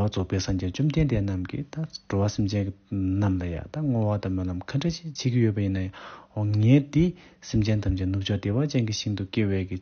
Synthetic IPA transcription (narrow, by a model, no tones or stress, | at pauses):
wat͡sʰopeːsamd͡ʑent͡ɕumt̪ent̪enamkḭt̪aʈ͡ʂowasimd͡ʑennamlaja̰t̪aŋowat̪aməlamkʰaɳɖ͡ʐet͡ɕit͡ɕʰeːkijøpajinːajaɦoŋɛːt̪i | simd͡ʑent̪amt͡ɕinut͡ɕʰɔʔt̪ewat͡ɕenkiɕiŋt̪ukewɛːki